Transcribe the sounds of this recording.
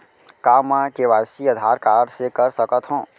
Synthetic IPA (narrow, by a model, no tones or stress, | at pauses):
kaːmɛ̃keʋaːjsiɐd̪ʱaːɾkaːɾɖsekɐɾsɐkət̪ɦũː